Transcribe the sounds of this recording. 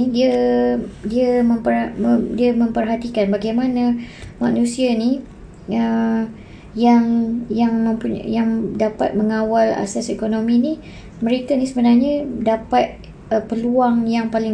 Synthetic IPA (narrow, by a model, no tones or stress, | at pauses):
idiə | diamə̃mpərdiamə̃mpərɦat̪ikanbaɡajmãnamã̰ʔnũsiani | ə | jaŋjaŋmə̃mpujaŋdapa̰t̪̚məŋawala̰sasekonomĩni | məɾik̪anisəbənarɲadapat̪̚ | əpəluaŋjaŋpalɪ